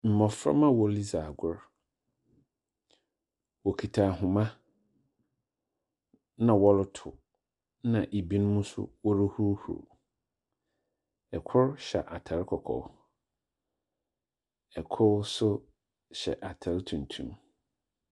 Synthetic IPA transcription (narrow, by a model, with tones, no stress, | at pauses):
m̩˨mɔ̃˨fɾa̰˦mã˦wɔ˨li˦za˨ɡʊ˦ɾ | wɔ˨kʰi˨tʰa˨ɦʊ̃˨mã˦ | nã˨wɔ˦lʊ˦tʰʊ˨ | nã˨ʔe˨bi˦ñ˦mũ˦sʊ̰˦wɔ˦ɾɪ˦hu˦ɾhṵ˨ɾ | ɛ˨kʰʊ˦ɾɕɛ̰˨ʔa˨tʰa˨ɾkʰɔ˨kʰɔ̰˨ | ɛ˨kʰʊ˦ɾsʊ˦ | ɕɛ̰˨ʔa˨tʰa˨ɾtʰũ˨n̩˨tʰṵ̃˦m